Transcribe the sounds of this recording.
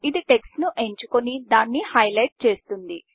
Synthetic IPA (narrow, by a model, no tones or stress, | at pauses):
id̪iʈe̞ksnuʔe̞ɲt͡ʃukonid̪aːnːihɐjlɐjʈ̚t͡ʃe̞ːst̪und̪i